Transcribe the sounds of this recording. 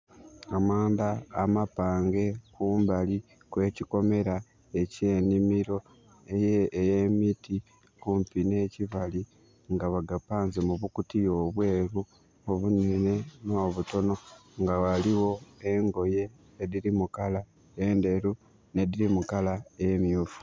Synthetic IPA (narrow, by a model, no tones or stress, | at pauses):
amaːndaːmapaːŋɡe̞kuːmbali | kwe̞ːciko̞me̞ɾa | ece̞ːnimiɾo̞ | ejeːjemiti | kuːmpine̞ːciβali | ŋɡaβaɡapaːnzemuβukutijo̞ːβwe̞ːɾu | oβunene̞noːβuto̞no̞ŋɡawaliwo̞e̞ŋɡo̞je̞ː | ðiɾimukala | ende̞ɾu | ne̞diɾimukalaejemjuːfu̥